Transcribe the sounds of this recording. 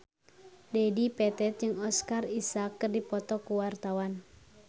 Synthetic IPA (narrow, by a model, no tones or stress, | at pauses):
dɛdipɛt̪ɛt̪̚d͡ʒɨŋɔskarisakːɨrdipɔt̪ɔkuwart̪awan